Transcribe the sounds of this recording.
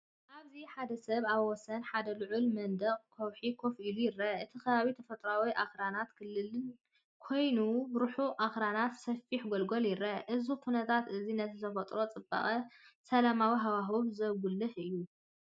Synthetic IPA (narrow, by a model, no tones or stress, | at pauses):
ʔaβziħad̪ɐsɐβaβwɔsɐnħad̪ɐluʕʊlmɐnd̪ɐχʼkʰowħikʰo̞fʔilujɪɾːɐʔɨt̪ʰikɐβaβit̪ʰɐfɐt̪ʼɾawiʔaxɾanat̪kɨlːɨlɨn | kʰo̞jnubɾuħuʔaxɾanat̪sɐfiħɡolɡoljɪɾɐʔɨzukʰunɐt̪ʰat̪ɨzinɐt̪ʰɨt̪ʰɐfɐt̪ʼɾo̞t͡sʼɨbːa̰χʼɐsɐlamawiɦawaɦuβzɐβɡulːɨħɨjːu